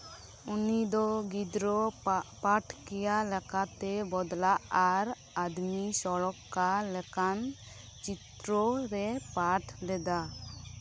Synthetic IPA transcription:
unid̪ɔɡid̪ɾɔpaʈʰkɛjalɛkat̪ɛbɔd̪laʔaɾ | ad̪misɔɭɔkːalɛkan | t͡ʃit̪ɾɔɾɛpaʈʰlɛd̪a

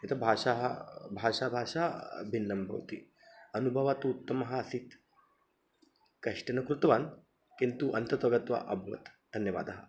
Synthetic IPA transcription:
jɐt̪ʰɐbʱaːʃaɦɐbʱaːʂabʱaːʂaːbʱinːɐmbʱɐ̰wt̪ḭ | ɐnubʱɐʋat̪ut̪ːɐmɐɦɐɐsit̪ | kɐʂʈɐnɐkɾut̪ʋaːn | kint̪uʔɐnt̪ɐt̪ʋɐɡɐt̪ʋa̰ʔɐbʱʋɐ̰t̪d̪ʱɐnjɐʋa̰ːd̪ɐɦɐ

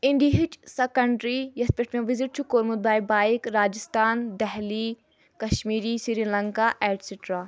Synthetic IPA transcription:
iɳɖiɦit͡ʃsekəɳɖɾijɐspeʈmẽʋiziʈ̚t͡ʃʰukoːɾmut̪̚baːjbaːikɾaːd͡ʒɪst̪aːnd̪ɛɦli | kɐʃmiːɾiːsiɾilɐŋkaːʔɛːʈsiʈɾaː

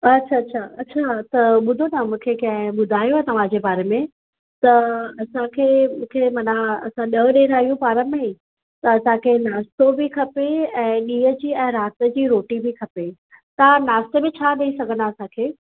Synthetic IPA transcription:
ɐtːɕʰaɐːɕʰaɐtːɕʰat̪ɐɓʊd̪ʱonamũːkʰekɐ̃ɦɪ̃ɓʊd̪ʱaːjoɦet̪ɐʋ̤ãd͡ʑebaːɾemẽ | t̪ɐɐsãkʰeːmũːkʰemɐnaɐ̰sãɗɐɗeːɾaːijũpaːɾəmẽi | t̪ɐɐsãkʰeːnaːst̪obʱikʰɐpeɛ̃ːɗiːɦəd͡ʑiːɛ̃ːɾaːst̪əd͡ʑiːɾoːʈibʱikʰɐpe | t̪anaːst̪ebẽt͡ɕʰaːɗɐisɐɡʱə̃naɐsãkʰeː

